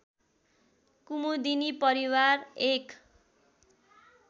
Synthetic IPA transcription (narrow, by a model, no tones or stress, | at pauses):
kumud̪inipʌɾiwarek